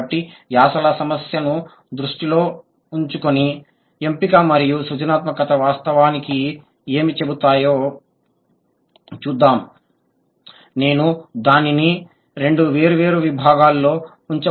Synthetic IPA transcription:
ʈːijaːsɐlɐsɐmɐsjɐnu | d̪ɾuʂʈilo̞ː | uɲt͡ʃukoni | empikɐmɐɾijusud͡ʒɐnaːt̪mɐkɐt̪ɐʋaːst̪ɐʋaːniki | e̞ːmit͡ʃe̞but̪aːjoː | t͡ʃuːd̪ːaːm | ne̞ːnud̪aːnini | ɾe̞ɳɖuʋe̞ːɾuʋe̞ːɾuʋibʱaːɡaːlːo̞ː | uɲt͡ʃɐ

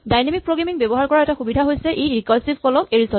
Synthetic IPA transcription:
dajnemik̚pɹoɡɹamiŋbɛbɔɦaɹkɔɹaɛtaxubidʱaɦojsɛʔejɹikɔlsibkɔlɔkeɹisɔ

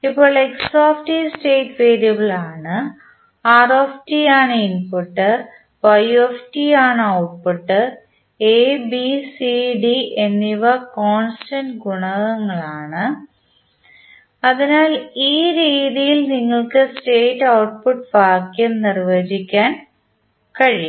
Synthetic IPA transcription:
ipːo̞ːɭeksoːfʈisʈe̞ːʈʋeːɾjɐbɐɭaːɳɨ | aːroːfʈijaːɳɨinpuʈːɨ | bɐjuefʈiaːɳɨɐwʈ̚puʈːɨ | eːbisiɖiʔenːiʋɐkoːnstɐnɖɡuɳɐɣɐŋːɐɭaːɳɨ | ɐðinaːliːɾiːðijilniŋːɐɭkɨsteːʈːɐwʈ̚puʈbaːkːjɐmnirʋɐd͡ʑikʲːaːn | kɐɻij

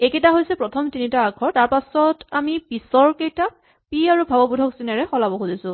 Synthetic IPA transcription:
ekɛtaɦojsɛpɹɔtʰɔmtinitaːɡʰɔɹtaɹpasɔtamipisɔɹkejta | piaɹubʱabɔbudʱɔksinɛɹɛxɔlabɔxuzisʊ̃

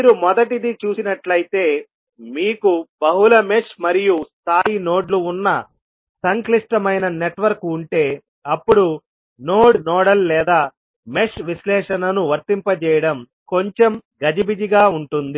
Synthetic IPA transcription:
miːɾumɔd̪ɐʈid̪it͡ʃuːsinɐʈlɐjit̪e̞ː | miːkubɐɦulɐmeʂmɐɾijust̪ʰaːjino̞ːɖluːnːɐ | sɐŋkliʂʈɐmɐjnɐneʈʋɐɾkuɳʈe̞ː | ɐpːuɽu | noːɽnɔːɽɐlːɛːd̪aː | meʂʋislɛːʂɐnɐnuʋɐɾt̪impɐt͡ʃɛːjɐɽɐm | ko̞ɲt͡ʃemɡɐd͡ʒibid͡ʒiɡaːuɳʈund̪i

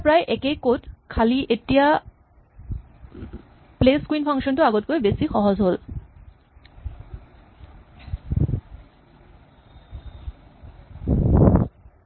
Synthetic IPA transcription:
pɾaeʔɛkejkotkʰaliʔeʈia | pleskuinpʰaŋʃontoaɡot̪̚koɾebesixɔɦod͡ʑɦol

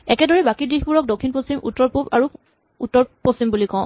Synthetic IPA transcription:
ɛkɛdɔɹɛbakidixpuɹɔk̚dokʰːinposimṵtːɔɹpupa̰ɹu | utːɔɹposimbulikɔ̃ʊ̃

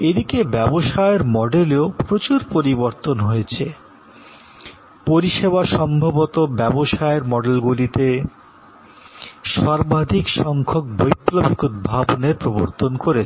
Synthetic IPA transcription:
ed̪ikebɛboʃaeɾmɔɖeleopɾot͡ɕuɾpoɾiboɾt̪onɦojet͡ɕʰe | poɾiʃeβaʃɔmbʱobot̪obɛboʃaeɾmɔɖelɡulit̪e | ʃaɾbad̪ʱikʃɔŋkʰok̚bojpːlobikud̪̚bʱaboneɾpɾoboɾt̪onkoɾet͡ɕʰ

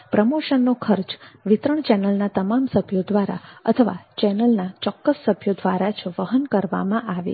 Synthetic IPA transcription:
pɾəmoʃənːokʰəɾt͡ʃʋɪt̪ɾəɳt͡ʃɛnəlnat̪əmamsəbʱjod̪ʋaɾa̰ə̰t̪ʰəʋa̰t͡ʃɛnəlnat͡ʃɔkːəsːəbʱjod̪ʋaɾat͡ʃʰʋəɦənkəɾʋa̰mãʔaʋḛ

